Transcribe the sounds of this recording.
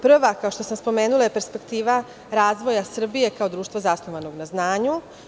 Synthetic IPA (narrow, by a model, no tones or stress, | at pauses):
pr̩ʋakaoʃt̪o̞samspo̞meːnulˠajepe̞ɾspe̞kt̪iːʋa | ɾaːzʋo̞jasr̩bije̞kao̞d̪ɾuːʃt̪ʋazasnoʋano̞ɡnaznaːɲu